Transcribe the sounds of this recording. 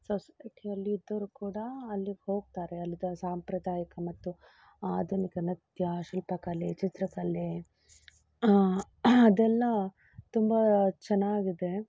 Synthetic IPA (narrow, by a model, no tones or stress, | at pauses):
sɐskʰeɐlːiːd̪ːɐɾukuːɽɐɐlːihoːɡ̚t̪aːɾeɐlːid̪ɐsaːmpɾɐd̪aːjɐkɐmɐt̪ːu | aːd̪ʱunikɐnɐd̪jɐʃilpɐkɐlet͡ʃit̪ɾɐkɐle | d̪ɛlːɐ | t̪umbɐt͡ʃɛnːaːɡid̪e̞